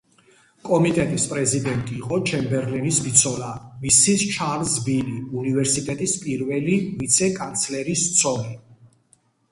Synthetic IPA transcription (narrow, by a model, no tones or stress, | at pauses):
kʼɔmit̪ʼɛt̪ʼispʼɾɛzid̪ɛnt̪ʼiːqʼɔt͡ʃʰɛmbɛɾlɛnisbit̪sʰɔlamisist͡ʃʰaɾzbiliunivɛɾsit̪ʼɛt̪ʼispʼiɾvɛlivit̪sʰɛkʼant̪sʰlɛɾist̪sʰɔɾi